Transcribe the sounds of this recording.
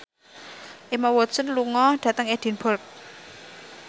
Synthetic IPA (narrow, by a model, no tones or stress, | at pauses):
ʔemawɔsənluŋɔɖ̥ä̤t̪əŋed̥i̤nbɔrk̚